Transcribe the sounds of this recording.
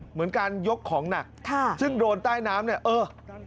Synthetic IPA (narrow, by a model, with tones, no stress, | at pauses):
mɯ˩˦ənkaː˧njo˦˥kʰːɔː˩˦ŋna˨˩k̚k̪ʰaː˥˩sɯ˥˩ŋdoː˧nt̪aː˥˩jnaː˦˥mni˥˩ɐʔɤː˧